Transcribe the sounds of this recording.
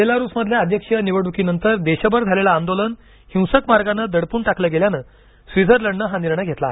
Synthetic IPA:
elaɾuːsməd̪ʱljaəd̪ʱjəkʂəniʋəɽukiːnənt̪əɾd̪eɕəbəɾd͡zʱalelaːnd̪olən | hĩwsəkmaɾɡanːəd̪əɽpuːɳʈakləːɡeljanə | sʋid͡zʱəɾləɳːəɦaniɾɳəɡʱet̪la

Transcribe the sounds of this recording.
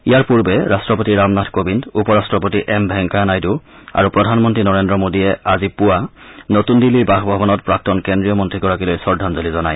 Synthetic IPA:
ijaɹpuɹbɛɹastɹɔp̬otiɹamnatʰkobindupɔɹastɹɔpotiʔɛmbʱɛŋkanajdua̰ɹupɹɔdʱanmɔntɹinɔɹendɹɔmodiɛazipuanotundiliɹbaxbʱɔbɔnɔt̚pɹak̚tɔnkɛndɹijɔmɔntɹiɡɔɹakilojsɔɹdʱanzolizɔnaj

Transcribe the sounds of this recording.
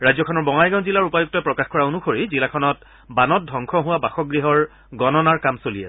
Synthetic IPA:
ɹajzɔkʰɔnɔɹbɔŋajɡawnzilaɹupajuk̚tɔpɹɔkaxkɔɹaonuxoɹizilakʰɔnɔt | banɔt̚dʱɔŋkʰɔɦʊwabaxɔɡɹiɦɔɹ | ɡɔnɔnaɹkamsolijɛs

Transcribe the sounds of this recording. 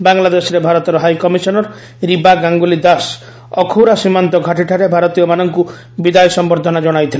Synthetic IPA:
baŋlad̪esɔɾebʱaɾɔt̪ɔɾɔɦajkɔmisɔnɔɾ | ɾibaɡaŋɡulid̪as | ɔkʰuwɾasimant̪ɔɡʱaʈiʈʰaɾebʱaɾɔt̪ijɔmanɔŋku | bid̪ajsɔmbɔɾd̪ʱɔnad͡ʒɔɽ̃ajt̪ʰile

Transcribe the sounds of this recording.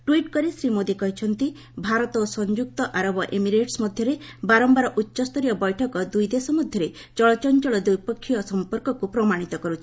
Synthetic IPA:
ʈwiʈkɔɾisɾimod̪ikɔɦit͡ʃʰɔnt̪i | bʱaɾɔt̪ɔsɔnd͡ʒuk̚t̪ɔʔaɾɔbɔʔemiɾeʈsmɔd̪ʱjɔɾebaɾɔmbaɾɔʔutːʃɔst̪ɔɾijɔbɔjʈʰɔkɔd̪ujd̪esɔmɔd̪ʱjɔɾe | t͡ʃɔɭɔt͡ʃɔnt͡ʃɔɭɔd̪ujpɔkʰːiɔsɔmpɔɾkɔkupɾɔmaɽ̃it̪ɔkɔɾut͡ʃʰi̥

